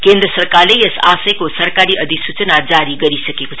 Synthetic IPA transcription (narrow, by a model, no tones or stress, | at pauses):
kend̪ɾəsərkarlejesasəjkosʌɾkaɾiʔʌd̪ʱiksut͡sənad͡zaɾiɡʌɾisʌkeko